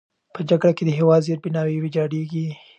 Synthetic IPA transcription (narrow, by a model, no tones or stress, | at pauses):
pəd͡ʒaɡɽaked̪əɦewɑd̪zeɾ̚bɪnɑwiwed͡ʒɑɽeɡi